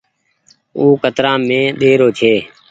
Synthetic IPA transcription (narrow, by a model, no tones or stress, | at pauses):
uːkət̪ɾãːmẽːɗ̪eːɾoːt͡ʃʰeː